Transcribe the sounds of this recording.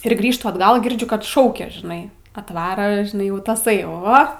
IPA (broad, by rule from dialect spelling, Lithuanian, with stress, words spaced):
ɪr ˈɡrʲiːʃtʊ ɐdˈɡɐlˠ ɡʲɪrʲˈd͡ʒʲʊ kɐt ˈʃɐʊkʲɛ ʒʲɪˈnɐɪ ɐtˈʋɑːrɐ ʒʲɪˈnɐɪ ˈjɛʊ tɐˈsɐɪ ˈoː